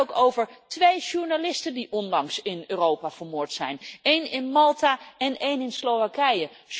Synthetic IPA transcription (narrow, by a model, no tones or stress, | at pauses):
owkowvəɹtʋejʒuɹnalɪstəndiʔɔndɑŋsɪnøːrowpaːv̥əɹmʊːɹtsɛ̰jnejnɪnmɑlˠtaːɛnejnɪnslowʋakɛjəs